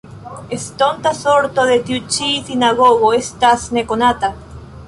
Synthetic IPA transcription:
est̪ont̪asoɾt̪oðet̪jut͡ʃisinaɣoɣoest̪asnekonat̪a

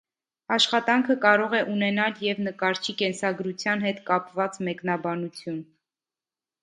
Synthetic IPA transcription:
ɑʃχɑt̪ɑŋkʰəkɑɾɔʁɛʔunɛnɑljɛvnəkɑɾt͡ʃʰikɛnsɑɡɾut͡sʰjɑnɦɛt̪kɑpvɑt͡smɛknɑbɑnut͡sʰjun

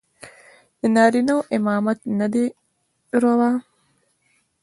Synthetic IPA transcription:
enɐɾinɐʔemaːmɐt̪nɐd̪e | ɾɐʋaː

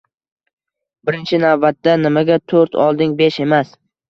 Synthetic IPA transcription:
bɪɾɪnt͡ʃʰɪnavbat̪ːanɪmaɡʲat̪ʰoɾt̪ʰɒ̰lˠd̪ɪŋbeʃe̞mas

